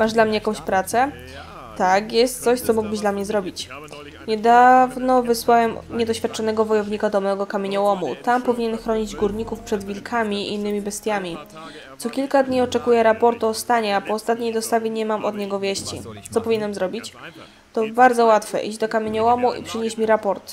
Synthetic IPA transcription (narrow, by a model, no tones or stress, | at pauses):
maʐd̪lamɲɛjakɔ̃w̃ɕpɾat̪sɛ | t̪akjɛst̪t̪sɔɕt̪sɔmuɡ̚bɘʑd̪lamɲɛzɾɔbʲit͡ɕ | ɲɛd̪avnɔvɘswawɛmɲɛd̪ɔɕfʲjat̪̚t͡ʂanɛɡɔvɔjɔvɲikad̪ɔmɛɡɔkamʲeɲɔwɔmṵt̪ampɔvʲiɲɛnxɾɔɲid͡ʑɡuɾɲikufpʂɛd̪vʲilkʰamʲiːnːɘmʲibɛst̪ʲjamʲi | t̪sɔkʲilkad̪ɲiɔt͡ʂɛkujɛɾapɔɾt̪uɔst̪aɲɛapɔːst̪at̪̚ɲʲejd̪ɔst̪avʲjeɲɛmamʔɔd̪ɲɛɡɔvʲjɛɕt͡ɕḭt̪sɔpɔvʲiɲɛnɛmzɾɔbʲit͡ɕ | t̪ɔbaɾd̪zɔwat̪fɛ̰ʔid͡ʑd̪ɔkamʲjeɲɔwɔmuʔḭpʂɘɲeɕmʲiɾapɔɾt̪